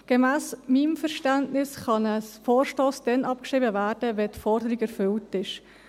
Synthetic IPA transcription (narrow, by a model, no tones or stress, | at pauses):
ɡ̥emæːsmimfɛɾʃtæntnɪsχɑnəsfoːɾʃtoːsd̥ɛnʔɑp̚kʃʁɪːbəvæːɾd̥əvɛtfɔɾdəɾiɡɛɾfʏltɪʃ